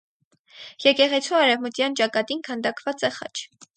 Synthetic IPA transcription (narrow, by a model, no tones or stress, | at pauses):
jɛkɛʁɛt͡sʰuɑɾɛvmət̪jɑnt͡ʃɑkɑt̪inkʰənd̪ɑkvɑt͡sɛχɑ̰t͡ʃʰ